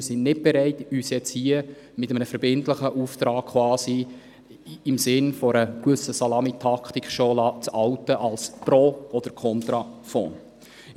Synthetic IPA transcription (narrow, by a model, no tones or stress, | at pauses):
sɪnnɪt̚b̥ɛɾɛɪtyːsɛt͡shiə | mɪtəmənəfəɾbɪntləχəʔuft̪ɾɑːk̚kʰːwɑːsi | ɪmsɪnfɔɾəkvɵsəsɑlɑmitʰɑktikχʃolɑt͡sɑwtːəʔɑlspɾoɔd̥əɾkʰɔnt̪ɾɑfo̰ːn